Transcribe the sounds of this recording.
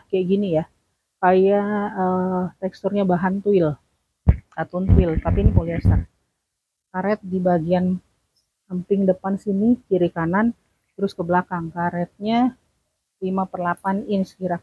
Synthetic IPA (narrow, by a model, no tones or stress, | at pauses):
kajaʔɡinija | kajaət̪ɛkst̪urɲabaɦant̪uɪl | at̪unt̪uɪlt̪apinikoliasar | kaɾɛt̪̚dibaɡian | pəmpɪŋdəpansinit͡ʃiɾikanan | t̪əɾʊskəbəlakaŋkaɾɛt̪̚ɲa | limapərlapanɪnsə̥kiɾak̚